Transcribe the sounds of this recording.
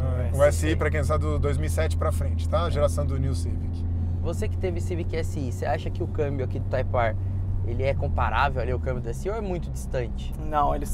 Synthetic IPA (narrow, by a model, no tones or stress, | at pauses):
ʊɛsɪipɾɐkẽs̬ad̪ʊd̪ojzmiwisɛt͡ʃɪ̥pɾɐfɾẽnt͡ʃɪ̥t̪aɐʒeɾasɐ̃w̃d̪ʊniwsivikɪ̥ | vosekɪ̥t̪evɪsivikɛsɪiseaʃɐkɪʊkɐ̃mbjʊakid̪ʊt̪ajpaɾ | elɪɛkõpaɾʔavewaliʊkɐ̃mbjʊd̪ʊɛsɪiowɛmũj̃t̪ʊd͡ʒist̪ɐ̃nt͡ʃɪ̥ | nɐ̃w̃elɪ